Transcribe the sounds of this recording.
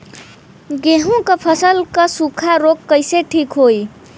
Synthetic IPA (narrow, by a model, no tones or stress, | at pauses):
ɡeɦũkəpʰəsəlkəsukʰaɾokːəjseʈʰikɦoj